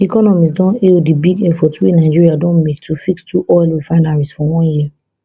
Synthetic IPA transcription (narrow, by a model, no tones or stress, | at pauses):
ikɔnɔmis̬dɔ̃neldibiɡɛfɔtenaɪd͡ʒiɹiadɔ̃nmektʰufikstʰuʔɔɪlwifãɪ̃naɹɛstfɔ̃wɔ̃nji